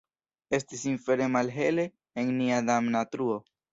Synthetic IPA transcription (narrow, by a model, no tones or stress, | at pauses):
e̞stisinfe̞ɾe̞malɦe̞le̞ | eŋniad̪amnatɾuo̞